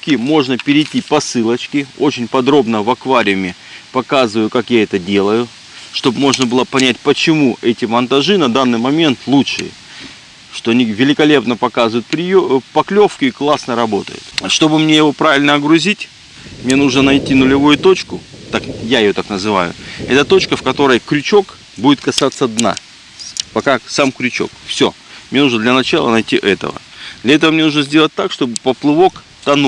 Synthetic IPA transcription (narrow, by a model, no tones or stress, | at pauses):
kʲɪmo̞ʐnəpʲɪɾʲɪjtʲipɐsɨlˠət͡ɕkʲɪo̞̰t͡ɕɪnʲpɐd̪ɾo̞bnəvɐkvaɾʲɪʊmʲɪ | pɐkazɨvəjʊkakjaɛt̪ədʲe̞lˠəjʊ | ʂt̪o̞bmo̞ʐnəbɨlˠəpɐnʲætʲpət͡ɕɪmuɛtʲɪmɐnt̪ɐʐɨnɐd̪anːɨjmɐmʲe̞nt̪lˠuʂɨ̰jə̰ | ʂt̪o̞ɐnʲivʲɪlʲɪkɐlʲe̞pnəpɐkazɨvʊjʊt̪pɾʲɪjopɐklʲo̞fkʲɪiklˠasnəɾɐbo̞t̪ə̰jʊ̰t̪ʂt̪o̞bɨmnʲe̞jɪvo̞pɾavʲɪlʲnəɐɡɾʊzʲitʲ | mnʲe̞nuʐnənɐjtʲinʊlʲɪvujʊt̪o̞t͡ɕkʊt̪akjaɪjo̞t̪aknəzɨva̰jʊ̰ɛt̪ət̪o̞t͡ɕkəfkɐt̪o̞ɾəjkɾʲʊt͡ɕo̞k | budʲɪt̪̚kɐsat̪sːəd̪na̰ | pɐkasamkɾʲʉt͡ɕo̞̰kfsʲo̞̰ | mnʲe̞nuʐnəd̪lʲɐnɐt͡ɕalˠə̰nɐjtʲiʔɛt̪ə̰və̰d̪lʲɐɛt̪əvəmnʲe̞nuʐnəzʲdʲe̞lˠət̚ʲt̪ːakʂt̪o̞bɨpəplˠɨvo̞k | t̪ɐnu